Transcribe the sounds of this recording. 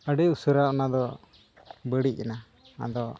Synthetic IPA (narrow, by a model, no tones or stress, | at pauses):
əɖɛusuɾaʔɔnad̪ɔ | bəɽic̚ˀɛna | na̰d̪ɔ